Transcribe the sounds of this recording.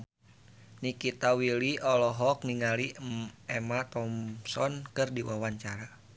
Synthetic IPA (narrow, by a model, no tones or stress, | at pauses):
nikit̪awiliʔɔlɔɦɔk̚niŋaliɛmat̪ɔmsɔnkɨrdiwawaɲt͡ʃaɾa